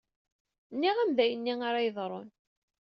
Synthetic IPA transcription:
nːiʁæmðæjənːiŋaɾajəðˤɾˤo̰n

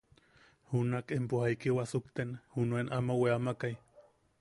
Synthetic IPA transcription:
hunakempuhajkiwasukt̪enhunuenʔamaweamakaj

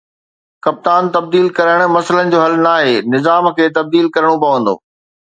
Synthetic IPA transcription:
kɐp̚t̪aːnt̪ɐb̚d̪iːlkɐɾəɽ̃ʊ̆mɐsələnɪ̆d͡ʑoːɦɐlnaːɦeːnɪzaːmkʰeːt̪ɐb̚d̪iːlkɐɾəɽ̃opɐʋə̃nd̪o̰ː

